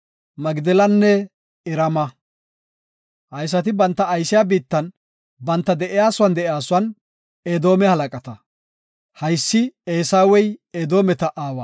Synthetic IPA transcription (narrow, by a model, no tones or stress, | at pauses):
mɐɡd̪ɛlɐnːɛ | ɪɾɐmɐ | hɐjs̬ɐt̪ɪbɐnt̪ːɐːjsɪjaːbiːt̪ːɐn | bɐnt̪ːɐd̪ɛʔɪjaːsʊwɐnd̪ɛʔɪjaːsʊwɐn | ed̪o̞ːmɛhɐlɐkʼɐt̪ɐ | hɐjsːɪeːsaːwɛjed̪o̞ːmɛt̪ɐʔaːwɐa